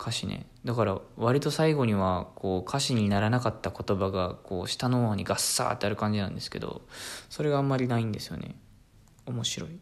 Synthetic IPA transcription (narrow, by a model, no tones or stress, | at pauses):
kʰaɕinḛ | d̪akaɾaβaɾʲit̪o̞saiɡo̞ɲ̟iβakʰo̞ːkʰaɕiɲ̟inaɾanakat̪ːako̞t̪o̞baɡakʰo̞ːɕi̥t̪anoβaɲ̟iɡasːa̰ːt̪ːe̞aɾɯ̟kãɲ̟d͡ʑinãnd̪e̞sɨ̥ke̞d̪o̞̰so̞ɾe̞ɡaːmːaɾʲinaĩnd̪e̞sɨ̥jo̞̰ne̞̰ | o̞mo̞ɕiɾo̞i